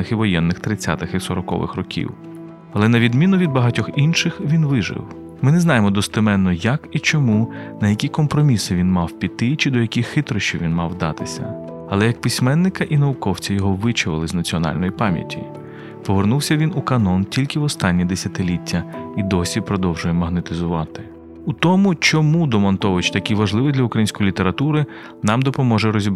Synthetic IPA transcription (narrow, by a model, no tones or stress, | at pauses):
ɪxiʋɔjɛnːɪxt̪ɾɪt͡sʲːa̰t̪ɪxisɔɾɔkɔ̰ʋɪ̰xrɔkʲḭw | ɐlˠɛnɐʋʲid̪mʲinʊʋʲid̪bɐɦɑtʲɔxinʃɪxʋʲinʋɪʒɪ̰w | mɪnɛznɑjemɔd̪ɔst̪ɪmɛnːɔjɐkit͡ʃɔmunɐjɐkʲikɔmpɾɔmʲisɪʋʲinmɑwpʲit̪ːɪt͡ʃɪd̪ɔjɐkʲixɪt̪ɾɔʃt͡ʃiʋʲinmɑwd̪ɑt̪ɪsʲɐ̰ | ɐlˠɛjɐk̚pɪsʲmɛnːɪkɐʔinɐʋʊkɔwt͡sʲɐjɔɦɔʋɪt͡ʃʊʋɪ̰lˠɪznɐt͡sʲiɔnɑ̰lʲnɔjipɑmʲjɐ̰tʲḭ | pɔʋernuwsʲɐʋʲinukɐnɔntʲilʲkɪwɔst̪ɑnʲːid̪esʲɐt̪ɪlʲitʲʰːɐid̪ɔsʲipɾɔd̪ɔwʒʊjɛmɐɦnet̪ɪzʊʋɑt̪ɪ̥ | ut̪ɔmʊt͡ʃɔmud̪ɔmɔnt̪ɔʋɪt͡ʃt̪ɐjɐkʲijʋɐʒlˠɪʋɪd̪lʲɐukɾɐjinsʲkɔjilʲit̪eɾɐt̪uɾɪ | nɑmd̪ɔpɔmɔʒɛɾɔzʲib